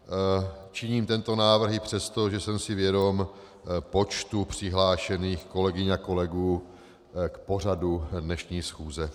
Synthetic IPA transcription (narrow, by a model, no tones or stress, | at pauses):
t͡ʃɪɲiːmt̪ɛnt̪o̞naːvr̩ɦɪpr̝̥ɛst̪o̞ʒɛsɛmsɪvjɛdo̞m | po̞t͡ʃt̪upr̝̥ɪɦlaːʃɛniːxko̞lɛɡɪɲako̞lɛɡuː | kpo̞r̝adudnɛʃɲiːsxuːzɛ